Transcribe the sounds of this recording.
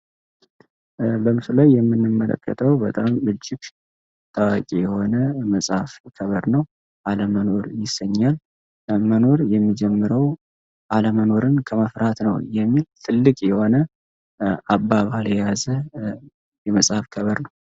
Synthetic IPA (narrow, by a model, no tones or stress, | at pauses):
bəmɨsɨlajːɛmːɨnːɨmːələ̰kːə̰t̪ʰəwbət̪ʼamɨd͡ʒːɪɡ | t̪ʼawakʼijɛho̞nəməsʼhafkʰəβəɾnəw | ʔaləmːəno̞ɾjɪsːəɲːal | məno̞ɾjɛmːid͡ʒɛmːɨɾəw | ʔaləməno̞ɾɨnkʰəməfɾat̪nəwjɛmːilt̪ʰɨlːɨkʼjɛho̞nə | ʔabːaβahɨljɛjazə | jɛməsʼhafkʰəβəɾnəw